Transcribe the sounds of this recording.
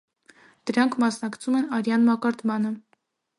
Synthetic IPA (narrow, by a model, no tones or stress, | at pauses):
d̪̥əɾɑŋkʰmɑsnɑkt͡sʰumɛnɑɾjɑnmɑkɑɾt̪mɑnə